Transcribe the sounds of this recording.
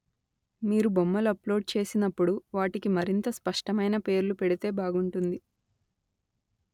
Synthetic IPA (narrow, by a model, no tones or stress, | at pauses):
miːɾubomːɐlɐplo̞ːɖ̚t͡ʃe̞ːsinɐpːuɽuʋaːʈikimɐɾint̪ɐspɐʂʈɐmɐjnɐpe̞ːɾlupeɽit̪e̞ːbaːɡuɳʈund̪i